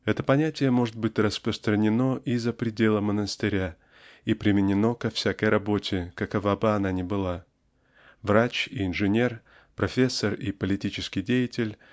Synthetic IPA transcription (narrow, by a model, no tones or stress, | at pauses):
ɛt̪əpɐnʲætʲɪjəmo̞ʐɨt̪̚bɨtʲrəspɾəst̪ɾənʲɪno̞ʔizəpɾʲɪdʲe̞lˠəmənəst̪ɨɾʲa | ipɾʲɪmʲɪnʲɪno̞kɐfsʲakəjɾʔɐbo̞tʲɪkɐkɐvabɨɐnanʲɪbɨlˠa | vrat͡ɕiɪnʐɨnʲe̞r | pɾɐfʲesːəripəlʲɪtʲit͡ɕɪskʲɪjdʲejɪtʲɪlʲ